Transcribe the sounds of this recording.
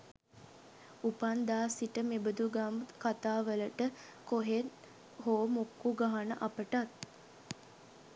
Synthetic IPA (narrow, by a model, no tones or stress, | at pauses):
upand̪aːsiʈəmebəd̪uɡamkat̪aːʋələʈə | koɦet̪ | hoːmukːuɡaɦanəʔapəʈat̪̚